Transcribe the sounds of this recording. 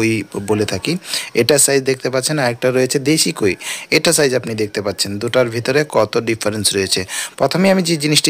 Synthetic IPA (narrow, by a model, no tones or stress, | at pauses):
ojbolet̪ʰakieʈasajd͡ʑd̪ek̚t̪epatːt͡ɕʰenaɾek̚ʈaɾojet͡ɕʰed̪eʃikoieʈasajd͡ʑapnid̪ek̚ʰt̪epatːt͡ɕʰend̪uʈaɾbʱit̪oɾekɔt̪oɖifʰaɾensɾojet͡ɕʰepɾɔt̪ʰomeiamid͡ʑed͡ʑiniʃʈi